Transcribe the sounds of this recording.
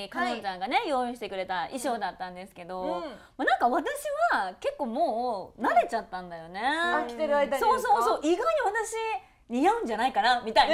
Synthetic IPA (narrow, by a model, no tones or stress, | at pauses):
kanot͡ɕãŋɡane̞jo̞ːĩɕi̥t̪e̞kɯ̟ɾe̞t̪aʔiɕo̞ːd̪at̪ːãnd̪e̞sɨ̥ke̞d̪o̞ | manãŋkaβat̪aɕiβake̞kːo̞ːmo̞ːnaɾe̞t͡ɕat̪ːãnd̪ajo̞ne̞akʲit̪eɾɯaeso̞ːso̞ːso̞ːʔiɡaiɲ̟iβat̪aɕi | ɲijaɯ̟̃ɲ̟d͡ʑanaikanamʲit̪ai